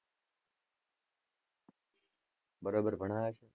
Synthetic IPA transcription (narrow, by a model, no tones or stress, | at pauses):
bəɾoːbəɾbʱəɳaːat͡ʃʰe